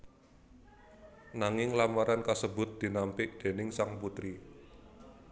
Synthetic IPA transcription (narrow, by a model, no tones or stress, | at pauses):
naŋɪŋlamaɾankasəbʊ̤t̪̚d̪̥i̤nampɪʔd̪̥e̤nɪŋsaŋput̪ɾi